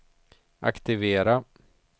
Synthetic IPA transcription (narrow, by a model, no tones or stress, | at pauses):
ʔa̰kt̪ɪveːɾa